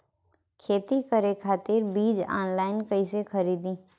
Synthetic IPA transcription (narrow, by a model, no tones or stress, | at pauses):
kʰeːt̪ikəɾekʰaːt̪ɪɾbiːd͡ʒa̰ːnlaːɪnkɐisexɐɾiːd̪ĩː